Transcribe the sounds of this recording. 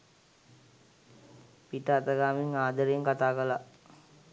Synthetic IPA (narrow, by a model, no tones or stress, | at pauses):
piʈəat̪əɡaːmiŋaːd̪əɾejəŋkat̪aːkəla